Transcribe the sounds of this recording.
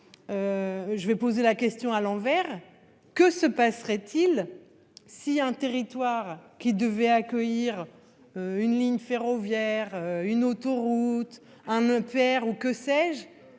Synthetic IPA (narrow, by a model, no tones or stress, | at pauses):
øʒəvɛpozelakʲɛst̪jɔ̃alɑ̃vɛʁ | kəsəpasʁɛt̪ʰil | siɛ̃t̪eʁit̪waʁkʲid̪əvɛakʲœjiʁ | øynliɲfeʁɔvjɛʁøynot̪ɔʁut̪ | ɛ̃nɛ̃pɛʁukəsɛʒ